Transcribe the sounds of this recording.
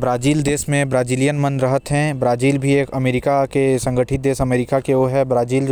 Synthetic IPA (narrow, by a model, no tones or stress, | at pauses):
bɾaːziːld̪eːsmẽbɾaːd͡ʒiːlijənmə̃nɾɐɦət̪ɦɛ̃bɾaːziːlbʱieːkɐmeːɾɪkakesɐ̃ŋɡʱəʈʰɪt̪̚d̪eːsɐmeːɾɪkakeoɦɛbɾaːziːl